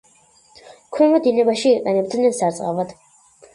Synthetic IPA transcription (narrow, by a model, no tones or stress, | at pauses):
kʰwɛnvad̪inɛbaʃiːqʼɛnɛb̚d̪nɛnsaɾt̪sʼqʼavad̪̥